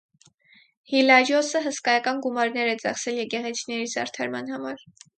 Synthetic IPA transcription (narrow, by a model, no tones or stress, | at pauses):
hilɑɾjɔsəɦəskɑjɑkɑnɡumɑɾnɛɾɛt͡sɑχsɛljɛɡɛʁɛt͡sʰi̥nɛɾizɑ̰ɾt̪ʰɑɾmɑn̪hɑmɑɾ